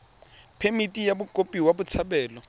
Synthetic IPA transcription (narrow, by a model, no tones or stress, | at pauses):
pʰemitʼijabukʼopʼiwabut͡sʰabɛːlɔ